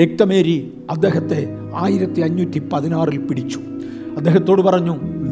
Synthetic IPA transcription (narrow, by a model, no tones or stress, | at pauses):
ek̚ʈɐmeːɾi | ɐd̪ːeːɦɐt̪ːe̞ | aːjiɾɐt̪ːiɐɲːutːipɐðinaːrilpiɽit͡ɕːu̥ | ɐd̪ːe̞ːɦɐt̪ːo̞ːɽupɐrɐɲːu